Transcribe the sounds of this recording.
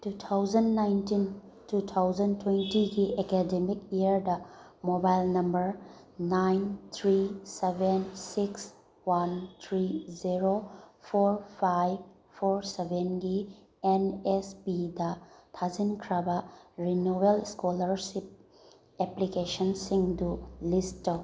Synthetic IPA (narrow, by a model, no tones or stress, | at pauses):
tut̪ʰawzɐnːajntin | tut̪ʰawzɐntwentiɡiekedemik̚iɐɾdɐ | mobajlnɐmbɐɾ | najnt̪ʰɾisebensiks | want̪ʰɾiziɾopʰoɾpʰajb | pʰoɾsebʱenɡi | enespidɐtʰazinkʰɾɐbɐɾinowelskolɐɾsip̚ | eplikesɐnsiŋdulist